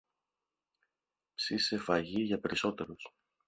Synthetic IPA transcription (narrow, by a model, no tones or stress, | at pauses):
psise̞fɐʝiʝɐpe̞ɾiso̞t̪e̞ɾos